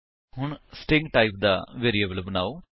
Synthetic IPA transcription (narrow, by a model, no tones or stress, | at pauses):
hʊɳsʈɪŋɡʈaːip̚d̪a̰ːʋeːɾieːbəlbənaːoː